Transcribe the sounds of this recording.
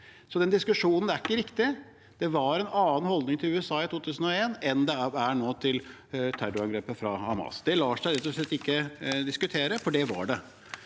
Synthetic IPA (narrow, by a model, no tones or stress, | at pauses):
sɔd̪ɛnd̪ɪskʉʂuːnənæɾɪkːəɾɪkt̪ɪ | d̪̥ɛʋɑɾɛnɑːn̩hɔld̪nɪŋt̪ɪlʉːɛsɑːɪt̪ʰuːt̪ʰʉːsən̩ɔeːnɛnd̪ɛæɳoːt̪ʰɪl | t̪ʰæɾʊɑŋɡɾeːpəfɾɑɑ̰mɑ̰ːsd̪ɛlɑːʂæɪɾɛt̪ːɔʂɭɛt̪ːɪkːəd̪ɪskʉt̪ʰeːɾəfɔɖɛʋɑ̰ɖɛ